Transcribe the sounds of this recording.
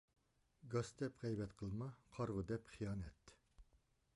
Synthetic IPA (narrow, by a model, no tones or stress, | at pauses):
ɡɑsd̪ɛpʁɛjbɛt̪qʰəlˠmɑqʰɑɾʁʊd̪ɛpχijɑːnɛt̪